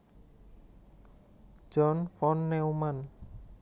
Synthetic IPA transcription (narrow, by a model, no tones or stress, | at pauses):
d͡ʒɔnfɔnːɛuman